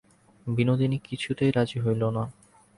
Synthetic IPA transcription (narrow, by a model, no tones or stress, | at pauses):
binod̪inikit͡ɕʰut̪ejɾad͡ʑiɦojlona